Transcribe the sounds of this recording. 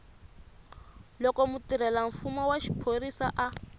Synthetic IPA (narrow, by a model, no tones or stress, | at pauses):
lɔkɔmutiɾɛlaɱ̩fumɔwaʃi̥pʰorisaʔa